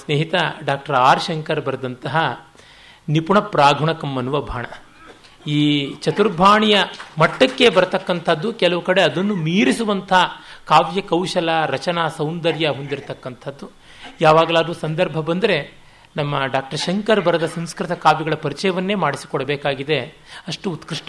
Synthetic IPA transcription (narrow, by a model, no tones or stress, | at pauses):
sneːɦit̪ɐɖaːk̚ʈɐɾaːɾʃɐŋkɐɾbɐɾd̪ɐnt̪ɐɦɐ | nipuɳɐpɾaːɡʱuɳɐkɐmːɐnuʋɐbʱaːɳɐ | iːt͡ʃɐt̪uɾbʱaːɳijɐmɐʈːɐkːe̞bɐɾt̪ɐkːɐnt̪ʰɐd̪ːukɛlɐʋukɐɽeɐd̪ɐnːumiːɾisuʋɐnt̪ʰɐkaːʋjɐkɐwʃɐlɐɾɐt͡ʃɐnasɐwnd̪ɐɾjɐɦond̪iɾt̪ɐkːɐnt̪ʰɐd̪ːu | jaːʋaːɡɐlaːd̪uːsɐnd̪ɐɾbʱɐbɐnd̪ɐɾe̞ | nɐmːɐɖaːk̚ʈɐɾʃɐŋkɐɾbɐɾɐd̪ɐsɐmskɾit̪ɐkaːʋjɐɡɐɭɐpɐɾit͡ʃɐjɐʋɐnːe̞ːmaːɽisi̥kɔɽɐbeːkaːɡid̪e̞ | ɐʂʈuːt̪kɾiʂʈɐ